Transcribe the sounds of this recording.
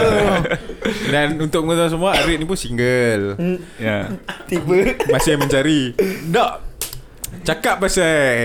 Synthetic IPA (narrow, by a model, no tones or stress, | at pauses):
danunt̪ʊʔk̚əŋət̪aas̬əmuaaɾɪt̪̚nipunsiŋɡəljat̪ibəmasɪhmə̃ɲt͡ʃaɾidɔʔ | t͡ʃakap̚basa